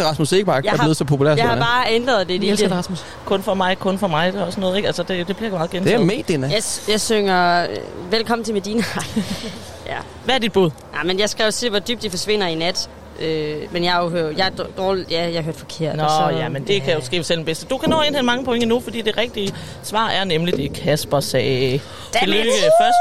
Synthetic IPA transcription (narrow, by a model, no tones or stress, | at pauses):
ʁɑ̈smuseɡ̥əbɑ̈ːble̝ð̩ˠsɒ̽pʰopʰulæ̰ɐsjahɑb̥ɑ̈ːend̥ʁɐð̩ˠd̥e̝iʁɑsmus | kʰɔ̽nfɒmɑ̈ɪkʰɔ̽nfɒmɑ̈ɪd̥e̝ɒ̽sənɔ̽ːð̩ˠeɡ̥ælsəd̥ed̥e̝b̥liɐɡomɑð̩ˠɡenʰemḛd̥enæjɑ̈ɪsøŋɐʋelkʰɒ̽m̰n̩t͡sʰe̝med̥iːnæ | jæ | ʋæɐdid̥̚b̥uð̰ˠnamenjɑ̈ɪsɡ̥ɛʊsiʋɒd̥yb̥̚d̥ifɒsʋe̝n̰ɐinæd̥ | ʔømenjɑ̈ɪɦøjɑ̈ɪ̥d̥ɒːljæjɑɦøɐd̥fɒ̽kʰe̝ɐ̰dnɒjjæmend̥e̝kʰæjo̝sɡ̥ḛːb̥əsel̰deb̥esd̥əd̥ukʰænɔ̰ːe̝ːnhʰenmɑ̈ŋəpʰo̽e̝ŋəinufɒ̽d̥ḭːd̥e̝ʁɛɡ̥̚d̥iə | sʋɑ̰̈ːæɐnemlid̥e̝kʰæsb̥ɐsɛ̥ː | eløfɶɐsd̥